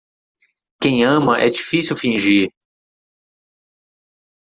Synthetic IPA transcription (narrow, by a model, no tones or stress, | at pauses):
kẽj̃ɐ̃mɐʔɛ̰d͡ʒifisiwfĩʒiɾ